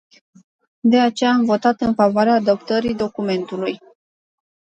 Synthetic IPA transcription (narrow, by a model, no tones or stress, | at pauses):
d̪e̞at͡ʃe̞jaːmvo̞t̪at̪ɨnfavoaɾeaːd̪əp̚t̪əɾid̪o̞kume̞nt̪uluj